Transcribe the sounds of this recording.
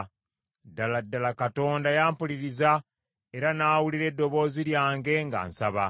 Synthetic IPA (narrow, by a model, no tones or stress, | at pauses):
dːaladːalakato̞ːndajaːmpuliɾiza | e̞ɾanaːwuliɾe̞dːo̞βo̞ːziɾjaːŋɡe̞ŋɡa̰ːnsaβa